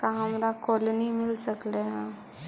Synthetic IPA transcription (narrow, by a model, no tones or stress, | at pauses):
kaɦãmɾakɔlnimilsəkleɦã